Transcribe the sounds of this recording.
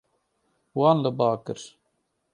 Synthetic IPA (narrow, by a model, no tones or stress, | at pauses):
wɑːnləbɑːkɨ̰ɾ